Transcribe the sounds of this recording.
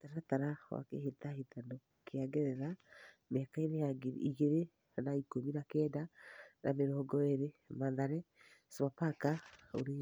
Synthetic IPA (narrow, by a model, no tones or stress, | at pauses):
taɾataɾawa̰kehetahetano | kʰeaɡɛɾɛɾa | mɛkainejaɡeɾiɣeɾe | naikominakɛːdana̰meɾɔːɡɔeɾemaðaɾɛsβapakao̰ɾe